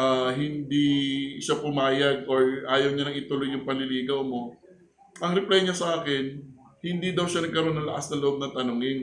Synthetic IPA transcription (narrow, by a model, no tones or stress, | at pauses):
ʔaɦɪnd̪iʃapʊmaːjɐɡʔoɹʔaːjɐwɲalɐŋɪt̪ʊlojːʊŋpɐnlɪliːɡɐwmo̞ | ʔɐŋɾɛplajɲasɐʔaːkɪnhɪnd̪iːd̪ɐwʃɐnɐɡ̚kɐɾo̞nːɐŋlɐʔasnɐlʊʔo̞b̚nɐt̪ɐnoːŋɪn